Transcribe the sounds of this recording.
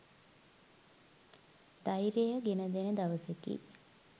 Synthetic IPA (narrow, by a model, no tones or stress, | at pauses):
d̪ajɾejəɡenəd̪enəd̪aʋəsekːḭ